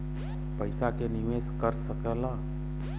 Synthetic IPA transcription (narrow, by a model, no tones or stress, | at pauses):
pəɪsakeniʋeskəɾsəkɛla